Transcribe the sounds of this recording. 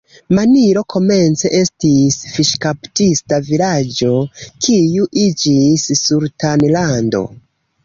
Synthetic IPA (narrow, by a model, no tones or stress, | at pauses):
maniɾo̞kʰo̞me̞nt͡se̞ʔe̞stisfiʃkaptistavilad͡ʒo̞kʰijuʔid͡ʒisːuɾtanlando̞̰